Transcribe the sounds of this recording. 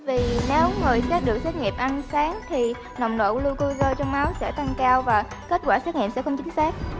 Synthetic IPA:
vi˨˩ne˨˦wŋɨ˨˩əjsɛ˦˥t̚ɗɨ˨˩ək̚sɛ˦˥t̚ŋḭ˨˩əp̚ʔa˧nsaː˨˦ŋt̪ʰi˨˩ | nə̰˨˩wŋ͡mɗo̰˧˨lu˧jku˧jzəː˧jt͡ɕɔ˧wŋ͡mma˨˦wsɛ̰˧˥t̪ʰa˧ŋkaː˧wvaː˨˩ | ke˦˥t̚kwaː˧˩sɛ˦˥t̚ŋḭ˧˨əmsɛ̰˧˥xə˧wŋ͡mt͡ɕï˨˦ŋ̟sɛː˦˥k̚

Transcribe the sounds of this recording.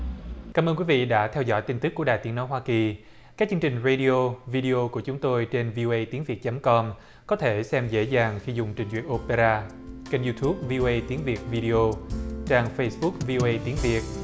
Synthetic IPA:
kaː˨˧˦mʔəː˧nkwi˨˦vḭ˧˨ɗa̰ː˧˥t̪ʰɛ˧wzɔ̰˧˥jt̪i˧ŋt̪ɨ˦˥kːu˧˩əɗaː˨˩jt̪i˨˦əno˨˦jɦwaː˧ki˨˩ | kaː˦˥k̚t͡ɕɨ˧ŋt͡ɕï˨˩ŋ̟ɹə˧ɗi˧o˧vi˧ɗi˧ʔo˧ku˧˩ət͡ɕʊ˨˦ŋ͡mt̪o˧jt͡ɕe˧nvi˧o˧ʔə˧jt̪i˨˦əŋvi˨˩ət̚t͡ɕə˨˦mkɔ˧m | kɔ˨˦t̪ʰe˧˩sɛ˧mzḛ˧˥zaː˨˩ŋxi˧zʊ˨˩ŋ͡mt͡ɕï˨˩ŋ̟zwḭ˨ənʔo˧pe˧zaː˧ | kə˧nzu˧t̪ʰu˦˥p̚vi˧ʔo˧ʔə˧jt̪i˨˦ənvi˨˩ət̚vi˧ɗi˧ʔo˧t͡ɕaː˧ŋfə˧jsɓʊ˦˥k̚vi˧ʔo˧ʔə˧jt̪i˨˦nvi˨˩ət̚

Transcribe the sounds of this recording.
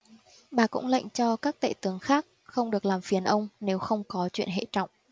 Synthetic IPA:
ɓaː˨˩kʊ̰˧˥ŋ͡mla̰˧˨jŋ̟t͡ɕɔ˧kaː˦˥k̚t̪ə̰ː˧˨t̪ɨ˨˦əŋxaː˦˥k̚xə˧wŋ͡mɗɨ˨˩ək̚laː˨˩mfi˨˦ənʔə˧wŋ͡mne˨˦wxə˧wŋ͡mkɔ˨˦t͡ɕwḭ˧˨ənɦḛ˧˨t͡ɕɔ̰˧˨wŋ͡m

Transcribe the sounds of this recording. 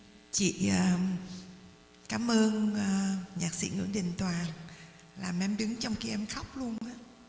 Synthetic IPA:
t͡ɕḭ˧˨əː˨˩ | kaː˨˦mʔəː˧nː˧ | ɲaː˨˩k̚sḭ˧˥ŋɨ̰˧˩˥əɗï˨˩ŋ̟t̪waː˨˩ŋ | laː˨˩mʔɛ˧˦mɗɨ˨˦ŋt͡ɕɔ˧wŋ͡mki˧ʔɛ˧mxa˦˥wk͡p̚lu˧ənʔaː˨˦

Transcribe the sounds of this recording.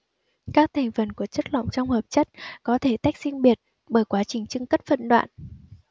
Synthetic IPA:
kaː˦˥k̚t̪ʰa˨˩jŋ̟fə˨˩nku˧˩ət͡ɕə˦˥t̚la̰˧˨wŋ͡mt͡ɕɔ˧wŋ͡mhəː˨˩p̚t͡ɕə˦˥t̚kɔ˨˦t̪ʰe˧˩t̪a˦˥jk̟̚si˧ŋɓi˨˩ət̚ | ɓəː˧˩jkwaː˨˦t͡ɕï˨˩ŋ̟t͡ɕɨ˧ŋkə˦˥t̚fə̰˧˨nɗwa̰ː˧˨n

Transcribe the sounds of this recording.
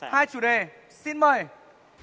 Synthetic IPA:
haː˧jt͡ɕu˨˧˩ɗe˨˩ | si˧nməː˨˩j

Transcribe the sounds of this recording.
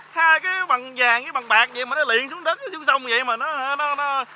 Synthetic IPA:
haː˧jkaː˨˦ɓa˨˩nzaː˨˩ŋkaː˨˦jɓa˨˩ŋɓaː˨˩k̚zə̰˧˨jmaː˨˩nɔ˨˦lḭ˧˨ənsu˦əŋɗəː˦˥t̚kaː˨˦si˧wŋ͡msə˧wŋ͡mzə̰˧˨jmaː˨˩nɔ˨˦ha˧˦nɔ˨˦nɔ˨˦

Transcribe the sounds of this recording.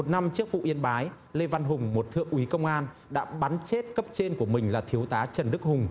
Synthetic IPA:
mo˨˩t̚na˧mt͡ɕɨ˦˥ək̚vṵ˧˨ʔi˧ənɓaː˨˦j | le˧va˧nɦʊ˨˩ŋ͡mmo˨˩t̚t̪ʰɨ̰˧˨əŋʔwi˨˦kə˧wŋ͡mʔaː˧nɗa̰ː˧˥ɓa˨˦nt͡ɕe˦˥t̚kə˦˥p̚t͡ɕe˧nku˧˩əmï˨˩ŋ̟laː˨˩t̪ʰi˨˦əwt̪aː˨˦t͡ɕə˨˩nɗɨ˦˥k̚hʊ˨˩ŋ͡m

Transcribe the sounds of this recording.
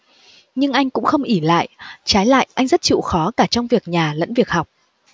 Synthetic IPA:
ɲɨ˧ŋʔa˧jŋ̟kʊ̰˧˥ŋ͡mxə˧wŋ͡mʔi˧˩la̰ː˧˨jʔt͡ɕaː˨˦jla̰ː˧˨jʔa˧jŋ̟zə˦˥t̚t͡ɕḭ˧˨xɔ˨˦kaː˧˩t͡ɕɔ˧wŋ͡mvi˨˩ək̚ɲaː˨˩lə̰˧˥nvi˨˩ək̚ha˨˩wk͡p̚

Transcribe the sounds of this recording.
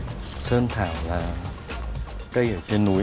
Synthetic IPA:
t͡ɕʰɤː˧ŋt̪ʰaː˨˩˦mlaː˧ | ka˧˩ja˨˩t͡ɕʰe˧˩nːuː˨˦˥

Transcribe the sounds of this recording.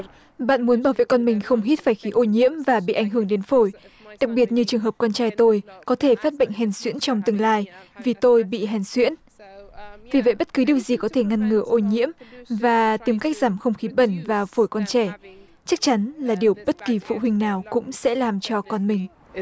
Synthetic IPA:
ɓa̰ː˧˨nmu˨˦ənɓaː˧˩wvḛ˧˨jkɔ˧nmï˨˩ŋ̟xə˧wŋ͡mɦi˦˥t̚faː˧˩jxi˨˦ʔo˧ɲḭ˧˥əmvaː˨˩ɓḭ˧˨ʔa˧˩jŋ̟ɦɨ˧˩əŋɗe˨˦nfo˧˩j | ɗa˨˩k̚ɓi˨˩ət̚ɲɨ˧t͡ɕɨ˨˩əŋɦəː˨˩p̚kɔ˧nt͡ɕaː˧jt̪o˧jkɔ˨˦t̪ʰe˧˩faː˦˥t̚ɓə̰˧˨ŋ̟ɦɛ˨˩nswḭ˧˥ənt͡ɕɔ˧wŋ͡mt̪ɨ˨˩ŋlaː˧jvi˨˩t̪o˧jɓḭ˧˨ɦɛ˨˩nswḭ˧˥ən | vi˨˩və̰˧˨jɓə˦˥t̚kɨ˨˦ɗi˨˩əwzi˨˩kɔ˨˦t̪ʰe˧˩ŋa˧nŋɨ˧˩ʔo˧ɲḭ˧˥əmvaː˨˩t̪i˧˩mka˦˥jk̟̚z̥aː˧˩mxə˧wŋ͡mxi˨˦ɓə˧˩nvaː˨˩fo˧˩jkɔ˧nt͡ɕɛ˧˩ | t͡ɕa˦˥k̚t͡ɕa˨˦nlaː˨˩ɗi˨˩əwɓə˦˥t̚ki˨˩fṵ˧˨hï˧ŋ̟naː˨˩wkʊ̰˧˥ŋ͡msɛ̰˧˥laː˨˩mt͡ɕɔ˧kɔ˧nmï˨˩ŋ̟

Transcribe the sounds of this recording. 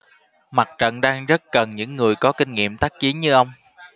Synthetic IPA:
ma˨˩t̚t͡ɕə̰˧˨nɗaː˧ŋzə˦˥t̚kə˨˩nɲɨ̰˧˥ŋːɨ˨˩əjkɔ˨˦kï˧ŋ̟ŋḭ˧˨əmt̪aː˦˥k̚t͡ɕi˨˦ənɲɨ˧ʔə˧wŋ͡m

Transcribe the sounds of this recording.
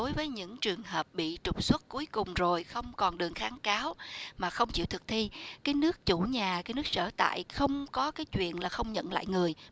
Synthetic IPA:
ɗo˨˦jvəː˨˦jɲɨ̰˧˥ŋt͡ɕɨ˨˩əŋɦəː˨˩p̚ɓḭ˧˨t͡ɕʊ˨˩k͡p̚swə˦˥t̚ku˨˦əjkʊ˨˩ŋ͡mzo˨˩jxə˧wŋ͡mkɔ˨˩nɗɨ˨˩əŋxaː˨˦nkaː˨˦wmaː˨˩xə˧wŋ͡mt͡ɕḭ˧˨wt̪ʰɨ˨˩k̚t̪ʰi˧kaː˨˦jnɨ˦˥ək̚t͡ɕu˧˩ɲaː˨˩kaː˨˦jnɨ˦˥ək̚sə̰ː˧˩t̪a̰ː˧˨jxə˧wŋ͡mkɔ˨˦kaː˨˦jt͡ɕwḭ˧˨ənlaː˨˩xə˧wŋ͡mɲə̰˧˨nla̰ː˧˨jŋɨ˨˩əj

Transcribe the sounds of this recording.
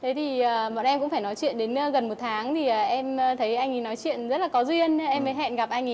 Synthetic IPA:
t̪ʰe˨˦t̪ʰi˨˩əː˨˩ɓɔ̰˧˨nʔɛ˧mkʊ̰˧˥ŋ͡mfaː˧˩jnɔ˨˦jt͡ɕwḭ˧˨ənɗe˨˦n˧ɣə˨˩nmo˨˩t̚t̪ʰaː˨˦ŋt̪ʰi˨˩əː˨˩ʔɛ˧mː˧t̪ʰə˨˦jʔa˧jŋ̟i˨˩nɔ˨˦jt͡ɕwḭ˧˨ənzə˦˥t̚la˨˩kɔ˨˦zwi˧ənʔɛ˧mːə˨˦jɦɛ̰˧˨nɣa˨˩p̚ʔa˧jŋ̟˨

